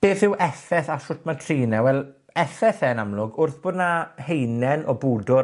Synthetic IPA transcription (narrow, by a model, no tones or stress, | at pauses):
b̥eːθɪwʔɛθɛθaɬʊtʰmatʰriːnɛwɛlˠ | ɛθɛθɛnamlˠʊɡʊrθb̥oːdnahejnɛnʔɔbuːdʊ